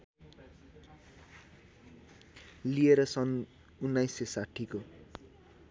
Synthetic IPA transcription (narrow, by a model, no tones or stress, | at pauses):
lieɾʌsʌn | unːajsesaʈʰiko